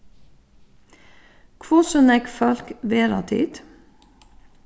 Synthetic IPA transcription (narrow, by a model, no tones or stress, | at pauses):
kʰʋuːsɔnɛɡfɑlkʋeːɾɑ̰t̪ʰḭːd̪